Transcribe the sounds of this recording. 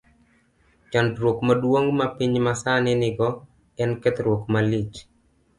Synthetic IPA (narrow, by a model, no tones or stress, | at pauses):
t͡ʃantɾwokmadwoŋmapiɲmasanɪnɪɡɔ | ɛnkɛt̪ɾwokmalɪt͡ʃ